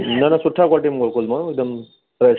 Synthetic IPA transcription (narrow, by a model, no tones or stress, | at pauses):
nanasuʈʰːakaʈimɡolkulməɪɡ̚d̪əm | pɾɐj